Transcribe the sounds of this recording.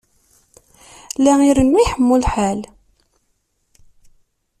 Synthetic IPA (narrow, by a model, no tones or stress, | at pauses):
læiɾəniħəmːulħal